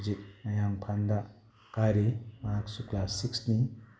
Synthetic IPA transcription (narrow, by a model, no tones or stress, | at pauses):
zik̚najaŋpʰand̪a | kaɾemaksuklasiksni